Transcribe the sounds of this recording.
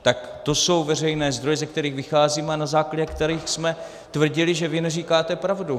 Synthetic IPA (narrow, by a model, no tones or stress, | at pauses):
t̪akt̪o̞so̞wvɛr̝ɛjnɛːzd̪ɾojɛzɛk̚t̪ɛɾiːɣvɪxaːziːmɛanazaːklaɟɛkt̪ɛɾiːxsmɛ | t̪vr̩ɟɪlɪʒɛvɪnɛriːkaːt̪ɛpɾavdu